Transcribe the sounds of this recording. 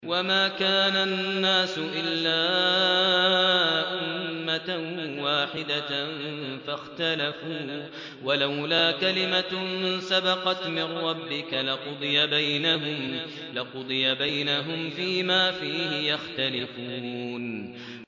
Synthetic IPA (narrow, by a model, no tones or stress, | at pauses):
wamaːkaːnanːaːsʊʔɪlːaː | ʔʊmːawaːħɪd̪anfaxt̪alafuː | walawlaːkalɪmasabɑqɑt̪mɪrːɑbːɪkalɪqʊd̪ˤɨjabajnaɦʊm | lɪqʊd̪ˤɨjabajnaɦʊmfiːmaːfiːhɪjaxt̪alɪfuːn